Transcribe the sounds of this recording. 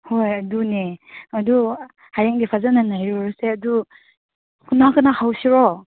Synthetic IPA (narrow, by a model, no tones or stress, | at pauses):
hojɐduneɐdu | hajaŋdipʰazananajɾɔɾaseɐdu | kʰunakɯnahawsiɾɔ